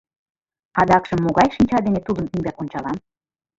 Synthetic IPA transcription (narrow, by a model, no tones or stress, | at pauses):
ɑd̪ɑkʒɤ̆mːoɣɑjʃinʲt͡ɕɑd̪enet̪ud̪ənyŋbækonʲt͡ɕɑlɑm